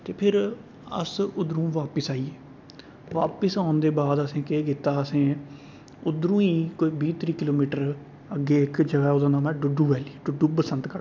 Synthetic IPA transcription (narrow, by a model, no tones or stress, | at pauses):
t̪eːpʰɪɾ | ə̰sʊd̪ɾũːʋaːpəsaːiːeː | ʋa̰ːpəsaːʊnd̪eːbaːd̪əsẽːkekɪt̪ːaːəsẽː | ʊd̪ɾũːĩːkoːiːbiːt̪ɾiːkɪloːmiːʈəɾ | əɡːeːɪkd͡ʒəʋɛːod̪ãːnaːmɛːɖʊɖuːʋɛːliːɖʊɖuːpəsənt̪kəɽ